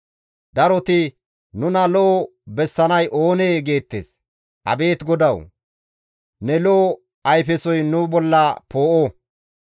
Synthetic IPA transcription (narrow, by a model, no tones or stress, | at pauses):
d̪ɐɾɔt̪ɪ | nʊnɐloː | bɛsːɐnɐjʔo̞ːneːɡe̞ːt̪ːḛːs | ʔɐ̰be̞ːt̪ɡɔd̪ɐw | nɛloː | ʔɐjfɛsɔjnʊbɔlːɐpo̞ːʔo